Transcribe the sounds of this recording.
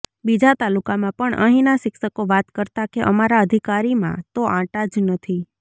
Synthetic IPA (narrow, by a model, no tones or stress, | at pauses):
bid͡ʒat̪alukamãpəɳʔə̰ɦĩnaʃɪkʃəkoʋat̪kəɾt̪akeʔəmaɾaəd̪ʱikaɾimã̰t̪oʔãʈad͡ʒnət̪ʰi